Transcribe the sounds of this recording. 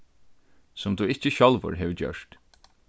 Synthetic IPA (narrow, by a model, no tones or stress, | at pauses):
sʊmt̪uːɪt͡ʃəɕɔlʋə̰ɹɦɛːʋd͡ʒœ̰ʂt̪